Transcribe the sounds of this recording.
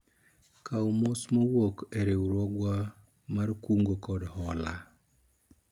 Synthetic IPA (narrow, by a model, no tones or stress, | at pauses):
kawmosmowokeɾewɾɔɡwa | markuŋɡokɔdhɔla̰